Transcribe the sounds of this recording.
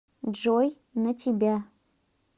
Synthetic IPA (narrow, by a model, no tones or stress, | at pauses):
d͡ʒoj | nɐtʰibʲa